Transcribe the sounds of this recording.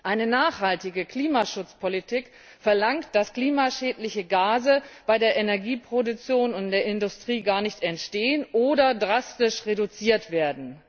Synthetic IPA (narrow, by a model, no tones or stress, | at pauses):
ʔaɪnənaːχhaltɪɡəkl̥iːmaʃʊt͡spʰolitʰɪk | fɛɐlaŋkt̚d̥askl̥iːmaʃɛːtlɪçəɡaːzəb̥aɪdeːɐʔenɛɐɡiːpʁ̥odʊk̚t͡sjoːnʊntd̥eːɐɪndʊstʁ̥iːɡaːɐnɪçtɛntʃteːənʔoːdɐdʁastɪʃʁedut͡siːɐtv̥eːɐdn̩